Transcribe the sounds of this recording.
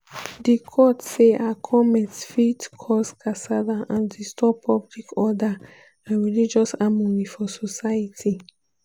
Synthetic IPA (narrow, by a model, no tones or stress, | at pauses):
dikʰɔtseʔakʰɔmɛtfitkʰɔskasadaʔãndistʰɔpʰɔblikɔda | ãnɹilid͡ʒɔsamɔɹifɔsɔsaatʰi